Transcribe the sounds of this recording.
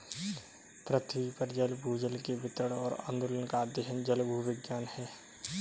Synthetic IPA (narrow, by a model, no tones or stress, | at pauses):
pɾət̪ʰipəɾd͡ʒəlbʱuːd͡ʒəlkebɪt̪əɽɔːɾɐ̰̃nd̪olənkad̪ɪɦənd͡ʒəlbuɦʋɪɡjaːnhɛː